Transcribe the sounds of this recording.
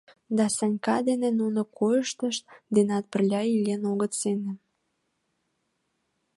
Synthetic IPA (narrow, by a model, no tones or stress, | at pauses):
d̪ɑsɑnʲkɑd̪enenunokojəʃt̪əʃt̪̚d̪enɑt̪̚pərlʲɑilʲenoɣət̪senĕ